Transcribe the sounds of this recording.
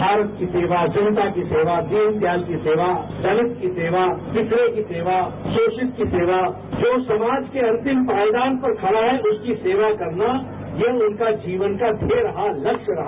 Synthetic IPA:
bʱaːɾət̪̚kiseːʋad͡ʒɐnət̪akiseːʋad̪iːnt̪jaːlkiseːʋad͡ʒ̪ɐnɪt̪kiseːʋafɪsɾekiseːʋasoːʃɪt̪̚kiseːʋa | d͡ʒoːsɐmaːd͡ʒkeɐ̃nt̪ɪmpaːɪd̪aːnpɐɾkʰɐʋaɦɛʔʊskiseːʋakɐɾna | jɐɦʊnkad͡ʒiːʋənkad̪ʱeɾɐɦalɐkʃɾɐɦa

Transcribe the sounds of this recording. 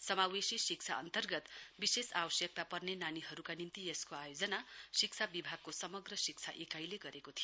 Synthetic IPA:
sʌmawesisik̚t͡sʰaʌ̰nt̪ʌrɡʌt̪bisesabʌsjʌk̚t̪apʌrnenaniɦʌɾukanint̪ieskoajod͡zʌnasik̚t͡sʰabibʱaɡ̚kosʌmʌɡrʌsik̚t͡sʰaʔekajleɡʌɾekot̪ʰijo

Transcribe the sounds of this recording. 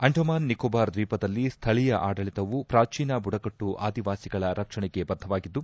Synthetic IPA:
ɐɳɖʱɐmaːnːikoːbaːɾd̪ʋiːpɐd̪ɐlːist̪ʰɐɭijɐʔaːɖɐɭit̪ɐʋupɾaːt͡ʃiːnɐbuɽɐkɐʈːuʔaːd̪iʋaːsiɡɐɭɐɾɐkʂɐɳɛɡe̞bɐd̪ʱːɐʋaːɡid̪ːu

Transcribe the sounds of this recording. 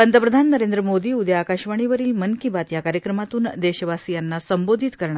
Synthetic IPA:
ənd̪ʱəpɾəd̪ʱanːəɾend̪ɾəmod̪iːud̪jakaɕʋaɳ̃iʋəɾiːlmənkibat̪jakaɾjəkɾəmat̪uːnd̪eɕəʋasijanːasəmbod̪ʱit̪kəɾɳa

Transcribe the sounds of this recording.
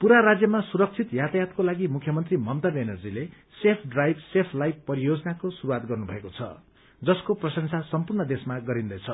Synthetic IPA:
puɾaɾad͡zjʌmasuɾʌk̚t͡sʰit̪jat̪ajat̪kolaɡimukʰːjʌmʌnt̪rimʌmt̪ʌbenʌrd͡zile | sepʰɖrajbsepʰlajb̚pʌɾijod͡zʌnakosuɾuwat̪̚ɡʌrnubʱʌ̰ekot͡sʰʌ̰ | d͡zʌskoprʌsʌnt͡sʰasʌmpurnʌd̪esmaɡʌɾind̪ʌjt͡sʰʌ

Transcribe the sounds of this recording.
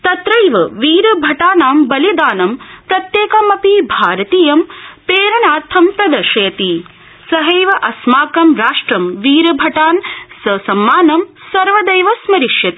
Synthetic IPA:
t̪ɐt̪ɾɐjʋɐʋiːɾɐbʱɐʈaːnaːmbɐlid̪aːnɐmpɾɐt̪jeːkɐmɐpibʱaːɾɐt̪iːjɐmpeːɾɐnaːt̪ʰːɐmpɾɐd̪ɐʃɐjɐt̪i | sɐɦɐjʋɐʔɐsmaːkɐmɾaːʂʈɾɐmʋiːɾɐbʱɐʈaːnsɐsɐmːaːnɐm | sɐɾʋɐd̪ɐjʋɐsmɐɾiʃjɐt̪i̥

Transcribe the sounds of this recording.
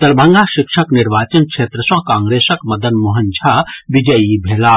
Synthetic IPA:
t̪ɐɾbʱɐ̃ŋɡaːʃɪkʂɐkniɾʋaːt͡ʃɐnkʃʰeːt̪ɾɐsãkãːŋɡɾeːsɐkmɐd̪ɐnmuɦɐnt͡ʃʰabid͡ʒəjibʱeːlaː

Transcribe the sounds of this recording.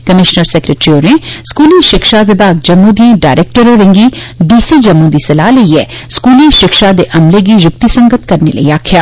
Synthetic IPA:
kəmɪʃnəɾsɛːkɾeʈɾioːɾneskuːlĩːʃɪkʃaʋɪbaːɡ̚d͡ʒɐmːũd̪iãːɖaːɾek̚ʈəɾoːɾɪ̃ŋɡiːɖiːsiːd͡ʒɐmːũːd̪iːsɐlaːləiɛːskuːlĩːʃɪkʃad̪eːʔɐmleɡiːjʊk̚t̪isə̃ŋɡət̪kɐɾnḛlə̰iaːkʰjaː

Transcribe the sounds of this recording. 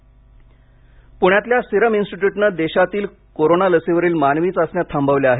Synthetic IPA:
puɳ̃jat̪ljasiɾəminsʈiʈjuʈnəd̪eɕat̪iːl | koɾonaləseʋəɾiːlmanʋiːt͡sasɳjat̪ʰːambəʋljaaɦe

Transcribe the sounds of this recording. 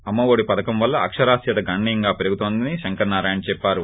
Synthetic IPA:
ɐmːɐʋoːɽipɐd̪ɐkɐmʋɐlːɐɐkʂɐɾaːsjɐt̪ɐɡɐɳːiɐŋɡaːpeɾuɡut̪oːnd̪iniʃɐŋkɐɾnaːɾaːjɐnt͡ʃɛpːaːɾu

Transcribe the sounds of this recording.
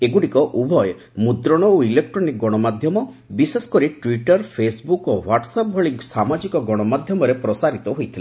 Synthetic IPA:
eɡuɽikɔʔubʱɔj | mud̪ɾɔɽ̃ɔoilek̚ʈɾɔnik̚ɡɔɽ̃ɔmad̪ʱjɔmɔ | bisesɔ̥kɔɾiʈwiʈɔɾpʰesbukowaʈsap̚bʱɔɭisamad͡ʒikɔɡɔɽ̃ɔmad̪ʱjɔmɔɾepɾɔsaɾit̪ɔɦojt̪ʰila

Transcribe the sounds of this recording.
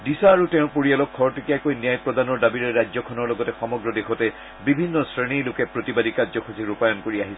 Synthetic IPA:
disaːɹutɛ̃ʊ̃poɹialɔkʰːɔɹtʰikiakojnijajpɹɔdanɔɹdabiɹɛɹazɔkʰɔnɔɹlɔɡɔtɛxɔmɔɡɹɔdexɔtɛ | bibʱinːɔsɹenilʊkɛpɹotibadikazɔkʰɔsiɹupajɔnkoɹiaɦisɛ

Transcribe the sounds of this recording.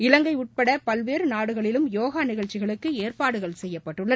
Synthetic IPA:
ɪlɐŋɡɐɪʊʈ̚pɐɽɐpɐlʋeːɾɯnaːɽɯɣɐɭɪlɯmjoːɣaːnɪɣɐɻt͡ʃːɪɣɐɭɯkːɯeːrpaːɽɯɣɐɭsɛjːɐpːɐʈːɯɭːɐ

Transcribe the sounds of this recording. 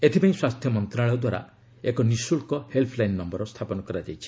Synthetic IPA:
et̪ʰipaĩswast̪ʰjɔmɔnt̪ɾaɭɔɔd̪waɾa̰ | ekɔnisulkɔhelpʰlajnːɔmbɔɾɔst̪ʰapɔnɔkɔɾad͡ʒajt͡ʃʰi̥

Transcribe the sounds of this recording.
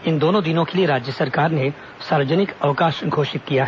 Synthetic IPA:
ɪnd̪oːnõd̪ɪnõkelieɾaːd͡ʒjəsɐɾkaːɾne | saːɾəd͡ʒənɪkɐʋkaːʃɡʱoːʃɪt̪̚kijaːɦ

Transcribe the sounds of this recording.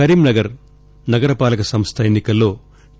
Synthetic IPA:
ɐɾiːmnɐɡɐɾ | nɐɡɐɾɐpaːlɐkɐsɐmst̪ʰɐjenːikɐlːo̞ː

